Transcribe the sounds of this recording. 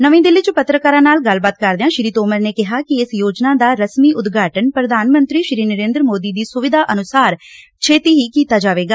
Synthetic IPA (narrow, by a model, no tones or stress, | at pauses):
nəʋẽːd̪ɪlɪːt͡ʃəpət̪ɾəkaːɾãːnaːlɡəlbaːt̪kəɾd̪eãːʃɪɾiːt̪oːməɾneːkɪɦaːkɪɪsjoːd͡ʒnaːd̪aːɾəsmiːʔʊd̪ɡʱaːʈənpɾəd̪ʱaːnmə̃nt̪ɾiːʃɾiːnəɾeːnd̪ɾmoːd̪iːd̪iːsʊʋɪd̪ʱaːʔənʊsaːɾ | t͡ʃʰeːt̪iːɦiːkiːt̪aːd͡ʒaːʋeːɡaː